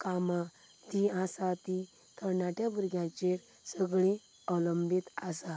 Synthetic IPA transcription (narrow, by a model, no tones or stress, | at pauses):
kamã | t̪iãsat̪i | kəɾnaʈjabuɾɡjãt͡ɕeɾ | səɡɭẽ | ələmbit̪asa